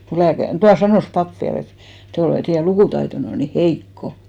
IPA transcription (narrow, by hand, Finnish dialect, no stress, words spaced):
ko læːkær tuɑ sɑnoˑs pɑp ʋiæl et te olet teijæ lukuˑtɑitonːe on ni heikːo